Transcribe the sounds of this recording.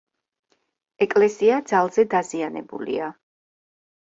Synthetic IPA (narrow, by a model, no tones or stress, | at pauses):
ɛkʼlɛsiad̪zalˠzɛd̪azianɛ̰bṵlḭa